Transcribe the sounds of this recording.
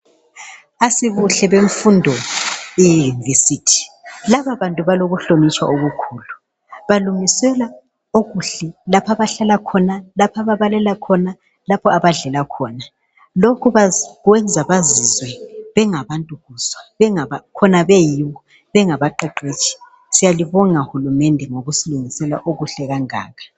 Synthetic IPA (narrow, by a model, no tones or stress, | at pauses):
asiβuɬɛβeɱfundʱɔijjunivesiːtʰi̥laβaβantʼuβaloɣuɬomit͡ʃʼwa̰ʔoɣukʰuːlu | βaluŋisɛla | oɣuɬɛlapʰaβaɬalakʰɔnalapʰaβaβalɛlakʰɔna | lapʰɔaβaɮɛlakʰɔːna | lokʰuβaɣwɛnd͡zʱaβazizwɛβɛŋaβantʼuɣuːswaβɛŋaβakʰɔnaβɛjiβɔ | βɛŋaβaǃaǃet͡ʃʰʼi̥ | sijaliβɔŋauhulumɛndʱɛŋoɣusiluŋisɛla̰ʔoɣuɬɛɣaŋa̰ːɣʰḁ